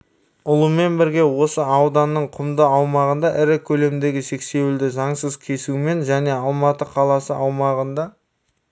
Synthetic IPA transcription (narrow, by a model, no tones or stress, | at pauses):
ʊlˠəme̞nbɪɾɡʲe̞wo̞səɑwd̪ɑnːəɴqʰʊmd̪əɑwmɑʁənd̪ɑʔɪɾɪkʲʰɵle̞md̪e̞ɡʲɪʃe̞kse̞wɪld̪ɪʒɑɴsəzkʲʰe̞suɪme̞nʒæne̞ɑlˠmɑt̪əqʰɑlˠɑsəɑwmɑʁənd̪ɑ